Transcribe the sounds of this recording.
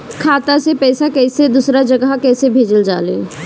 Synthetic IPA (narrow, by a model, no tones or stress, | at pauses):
kʰaːt̪asepɛːsakɛɪsed̪usɾad͡ʒəɡəkɛːsebʱeːd͡ʒəld͡ʒa̰ːlḛː